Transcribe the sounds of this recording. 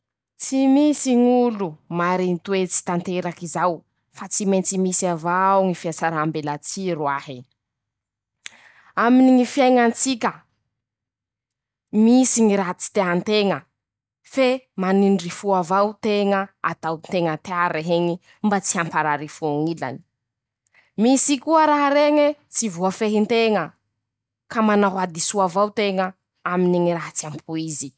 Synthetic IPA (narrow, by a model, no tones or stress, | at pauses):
t͡simisiŋulumaɾinit̪wet͡si̥t̪ant̪eɾakizaw | fat͡siment͡simisiavawŋifiat͡saɾambelat͡siɾwaɦi | aminiŋifiajŋant͡sikʲə | misiŋiɾat͡si̥t̪eɦant̪eŋə | femaninrifuavawt̪eŋəat̪awnt̪eŋət̪eaaɾeɦeŋi | mbat͡siampaɾaɾifuaŋila̰ni̥ | misikuəɾaɦaɾeŋet͡sivuafeɦint̪eŋə | kamanaɦwad̪isuavawt̪eŋə | aminiŋiɾaɦat͡siampʰuizi